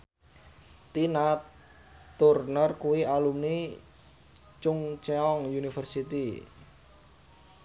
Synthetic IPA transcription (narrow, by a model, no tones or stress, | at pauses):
t̪ina | t̪urnərkuwialumni | t͡ʃʊŋt͡ʃeɔŋjunifərsit̪i